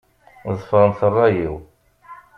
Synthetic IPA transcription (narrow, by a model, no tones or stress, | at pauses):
ðˤfəɾˤənθərˤːɑjiw